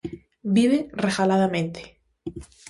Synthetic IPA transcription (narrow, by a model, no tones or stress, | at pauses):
biβ̞erexalaðamẽnt̪e̥